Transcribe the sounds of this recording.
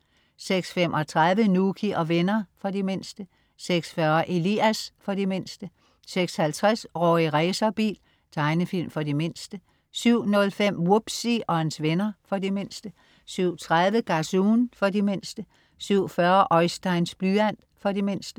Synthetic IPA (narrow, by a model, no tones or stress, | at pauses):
seɡ̥sfem̰ʔɒ̽t͡sʰʁaðˠʋənuːkʰiʔɒ̽ʋenɐfɒ̽dime̝n̰sd̥ə | seɡ̥sfɶɐʔe̝liæsfɒ̽dime̝n̰sd̥ə | seɡ̥shælt͡sʰʁasʁɔ̰ːiʁɛːsɐb̥ḭːl | t͡sʰɑ̈ɪnəfil̰mfɒ̽dime̝n̰sd̥ə | syʊ̰nɔ̽lfem̰wub̥siʔɒ̽ænsʋenɐfɒ̽dime̝n̰sd̥ə | syʊ̰t͡sʰʁaðˠʋəɡ̥ɑsuːnfɒ̽dime̝n̰sd̥ə | syʊ̰fɶɐʔɒ̽ɪsd̥ɑ̈ɪnsb̥lyæn̰ | fɒ̽dime̝n̰sd̥ə